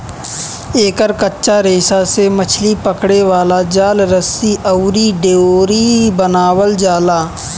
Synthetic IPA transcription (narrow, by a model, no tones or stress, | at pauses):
eːkəɾkətːʃaɾeːsasemət͡ʃʰlipəkɽeʋaːlad͡ʒaːlɾəsiʔəwɾiɖeoːɾibənaːwəld͡ʒaːlaː